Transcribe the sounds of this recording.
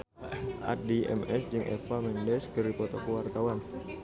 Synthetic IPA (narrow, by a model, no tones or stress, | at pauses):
ʔa̰t̪̚diɛ̰mɛsd͡ʒɨŋʔɛ̰famɛndɛskəɾipɔt̪akuwart̪awan